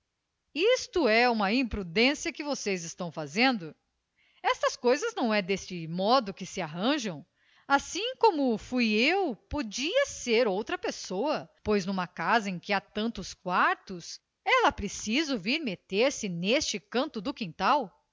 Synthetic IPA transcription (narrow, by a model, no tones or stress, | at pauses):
ist̪ʊɛũmɐĩpɾud̪ẽsiɐkɪvosejzɪst̪ɐ̃w̃fazẽnd̪ʊ | ɛst̪ɐskojzɐznɐ̃w̃ɛd̪est͡ʃɪmɔd̪ʊkɪsɪaɦɐ̃ʒɐ̃w̃ | asĩkõmʊfujewpod͡ʒiɐseɾowt̪ɾɐpesoɐpojznũmɐkazɐẽj̃kɪat̪ɐ̃nt̪ʊskwaɾt̪ʊs | ɛlɐpɾesizʊviɾmet̪eɾsɪnest͡ʃɪkɐ̃nt̪ʊd̪ʊkĩnt̪aw